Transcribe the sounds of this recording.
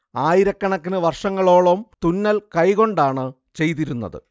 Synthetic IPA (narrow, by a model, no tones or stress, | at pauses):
aːjiɾɐkːɐɳɐkːinɨʋɐrʂɐŋːɐɭo̞ːɭɐmt̪unːɐlkɐjko̞ɳɖaːɳɨ | t͡ɕe̞jt̪iɾunːɐ̰ðɨ̰